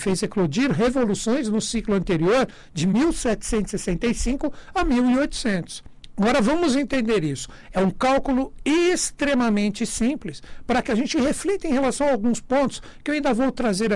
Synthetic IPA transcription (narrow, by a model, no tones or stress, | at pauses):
fezeklod͡ʒiɾɦevolusõj̃znʊsiklʊɐ̃nt̪eɾioɾ | d͡ʒɪmiwsɛt͡ʃɪ̥sẽnt̪ʊ̥sesẽnt̪ejsĩŋkʊamiwiojt̪ʊ̥sẽnt̪ʊ̥s | aɡɔɾɐvɐ̃mʊzẽnt̪ẽnd̪eɾisʊ̥ | ɛũkawkulʊest̪ɾemɐmẽnt͡ʃɪsĩplɪspaɾɐkɪaʒẽnt͡ʃɪheflit̪ẽj̃ɦelasɐ̃w̃ɐawɡũspõnt̪ʊ̥s | kɪewaĩnd̪ɐvowt̪ɾazeɾ